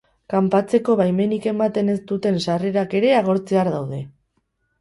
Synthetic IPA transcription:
kampat͡se̞ko̞βajme̞nike̞mat̪e̞ne̞st̪ut̪e̞nsare̞ɾake̞ɾe̞aɣ̞o̞ɾt͡se̞aɾðawð̞e̞

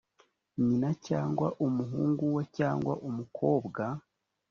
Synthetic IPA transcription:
ɲinacaːŋɡwaʔumuɦuːŋɡuwecaːŋɡwa̰ʔumukʰo̞ːbɡa

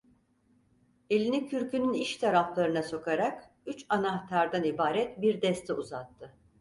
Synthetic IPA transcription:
e̞lʲinicʰyɾcʰynyniʃt̪ʰaɾaflˠaɾɯnaso̞kʰaɾak | yt͡ʃanaht̪ʰaɾd̪anibaːɾɛt̪biɾd̪ɛst̪ʰɛuzat̪ʰːɯ

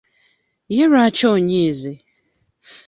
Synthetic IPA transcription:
jeɾat͡ʃɔoɲeze

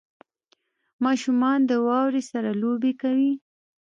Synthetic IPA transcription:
mɑʃumɑnd̪əwɑwɾesaɾalobekawi

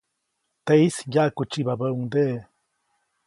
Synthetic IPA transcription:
t̪eisjakut͡ʃibabəuŋd̪e

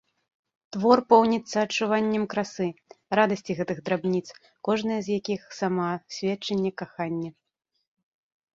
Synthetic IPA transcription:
t̪vɔrpɔwnʲit̪sːɐːt͡ʂːuvanʲːɛmkɾasɨrad̪ɐsʲt͡sʲiɣɛt̪ɨɣd̪ɾabnʲit̪s | kɔʐnɐjɐzjakʲixsamasʲvʲɛt͡ʂːɐnʲːɛkaxanʲːɛ

